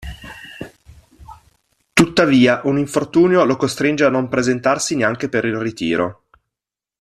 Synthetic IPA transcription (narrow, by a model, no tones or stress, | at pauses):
t̪ut̪ːaviːaʔuniɱfort̪uːnjolokost̪ɾind͡ʒeanːompɾezent̪arsineaŋk̟epeɾilrit̪ḭːɾʔo̰